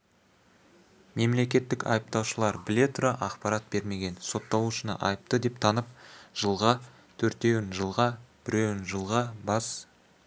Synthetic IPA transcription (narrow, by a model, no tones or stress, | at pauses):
me̞mle̞kʲe̞t̪ːɪkɑ̰jəp̚t̪ɑwʃəlˠɑɾbɪle̞t̪ʰʊɾɑʔɑqpɑɾɑt̪̚b̥e̞ɾme̞ɡʲe̞nso̞t̪ːɑlˠuʃənə̰ʔɑjəp̚t̪əd̪e̞p̚t̪ʰɑnəp̚ʒ̥əlˠʁɑ | t̪ʰɵɾt̪e̞wɪnʒəlˠʁɑb̥ɪɾe̞wɪnʒəlˠʁɑbɑs